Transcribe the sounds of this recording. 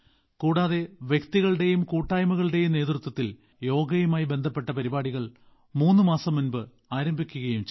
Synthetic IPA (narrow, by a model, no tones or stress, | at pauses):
kuːɽaːðe̞ʋjekt̪iɣɐɭɨɽe̞jumkuːʈːaːjmɐɣɐɭɨɽe̞jumneːt̪rɨt̪wɐt̪ːil | jo̞ːɡɐjumaːjibe̞nd̪ʱɐpːe̞ʈːɐpɐɾibaːɽiɣɐɭ | muːnːɨmaːsɐmːunbɨ | aːɾɐmbʱikʲːuɣɐjumt͡ɕ